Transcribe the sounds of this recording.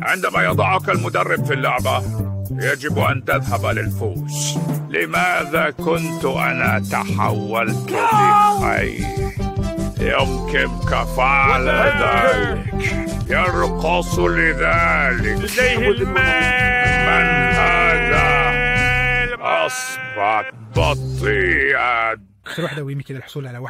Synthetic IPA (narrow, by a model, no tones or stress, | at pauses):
ʕɪnd̪amajɑd̪ˤɑʕʊkalmʊd̪arˤːɪbfilːʊʕbajad͡ʒɪbʔa̰nt̪ɪðɦabalɪlfuːslɪmaːðakʊnt̪ʔa̰nat̪a̰ħa̰wːalt̪lɪxa̰j | jʊmkɪmkafaʕlðaːlɪk | jɑɾqɑsˤlɪðaːlɪkaa | anhaːða | ʔɑsbɑ | bɑt̪ˤiːʕa | ɾuːħd̪awjɪmkɪlalħʊsˤuːlʕalawaħ